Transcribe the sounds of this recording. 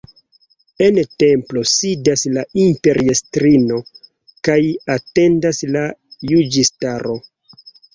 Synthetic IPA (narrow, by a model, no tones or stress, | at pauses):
e̞nte̞mplo̞sidaslaimpe̞ɾʔiestɾino̞ | kajate̞ndaslajud͡ʒistaɾo̞